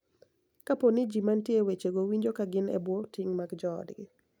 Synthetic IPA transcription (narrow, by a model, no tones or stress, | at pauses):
kaponɪd͡ʒimantjewet͡ʃeɡowiɲd͡ʒokaɡɪnɛ̰bwotɪŋmaɡd͡ʒɔ̰dɡɪ